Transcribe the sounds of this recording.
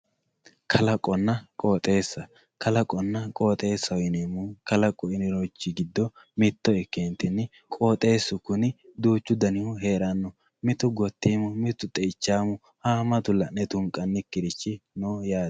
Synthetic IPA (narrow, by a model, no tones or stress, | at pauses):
kʰɐlɐkʼːɔnːɐkʼoːt̪ʼe̞ːsːɐ | kɐlɐkʼːɔnːɐkʼoːt̪ʼe̞ːsːɐjɪnemʊkɐlɐkʼːɔɪnɪɾɔt͡ʃːɪɡɪd̪ːɔ | mɪt̪ːɔɛkːeːnt̪ɪnːɪ | kʼo̞ːt̪ʼe̞ːsːʊkʊnɪd̪uːt͡ʃːʊd̪ɐnɪʊɦe̞ːɾɐnːɔ | mɪt̪ʊɡɔt̪ːiːmʊmɪt̪ːʊt̪ʼɛɪt͡ʃːaːmʊ | haːmɐt̪ʊlːɐnːɛt̪ʊŋkʼːɐnːɪkːɪɾɪt͡ʃːɪnoːjaːd̪